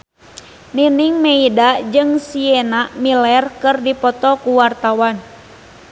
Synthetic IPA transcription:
niniŋmɛidad͡ʒɨŋsiɛnaʔmilɛrkɨrdipɔt̪ɔkuwart̪awan

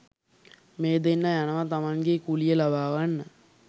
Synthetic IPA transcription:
meːd̪enːəjanəʋat̪amaŋɡekulijəlabaːʋanːə

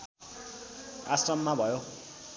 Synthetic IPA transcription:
asrʌmːabʱʌjo

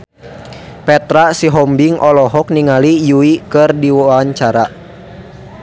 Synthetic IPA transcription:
pɛt̪ɾasiɦɔmbiŋʔɔlɔɦɔk̚niŋalijuikɨrdiwaɲt͡ʃaɾa

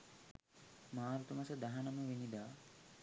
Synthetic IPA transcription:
maːɾut̪umɐsəd̪aɦɐnɐməʋinid̪aː

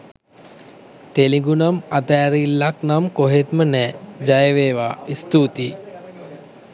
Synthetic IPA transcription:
t̪eliŋɡunamat̪ɛːɾilːaknamkoɦet̪mənɛːd͡ʒajəʋeːʋaːist̪uːt̪iː

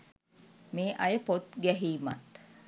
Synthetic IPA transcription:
meːʔɐjəpot̪ɡæɦiːma̰t̪

